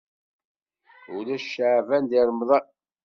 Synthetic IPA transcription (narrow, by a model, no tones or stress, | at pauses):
ulæʃaʕvænd̪iɾˤmðˤɑ